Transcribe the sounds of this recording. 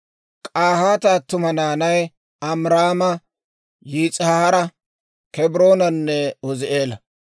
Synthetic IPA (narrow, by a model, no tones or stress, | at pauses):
kʼaːhaːt̪aːt̪ːʊmɐnaːnɐj | ɐmɾaːmɐ | jiːt͡sʼhahɐɾɐ | kɛbɪɾo̞ːnɐnːɛɔzɪʔe̞ːlɐ